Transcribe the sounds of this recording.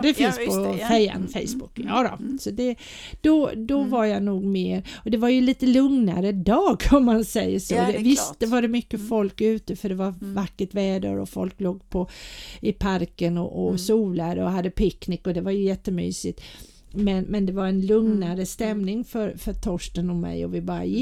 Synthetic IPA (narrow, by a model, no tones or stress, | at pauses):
d̪ɛfɪnspʰɔsɛjːa̰nfɛ̰ɪsbʊkjɑːd̪ɔ̰sɔd̪ɛ | d̪̥ɔd̪ɔvaɾjanuːɡmeːɾɔd̪ɛvaɾjɵliːt̪əlɵŋna̰ɾəd̪ɑːɡɔmːansɛjːəʂoːd̪ɛvɪsst̪vaɖɛmʏkːəfɔlkʉ̟ːt̪əfœɖɛvaɾvakːəʈvɛːd̪ə̰ɾɔ̰fɔ̰lkloːɡpʰɔɪpʰaɾkənɔ̰ʔɔsuːlaɾɔɦad̪ːəpʰɪknɪkːɔd̪ɛvaɾjɵjɛt̪ːəmy̰ːsɪt̪ | mɛnmɛnd̪ɛvaɾɛnlɵŋnaɾəst̪ɛmnɪŋfœɾfœt̪ʰɔʂʈənɔmːɛ̰jɔ̰vɪbɑːɾa̰jɪ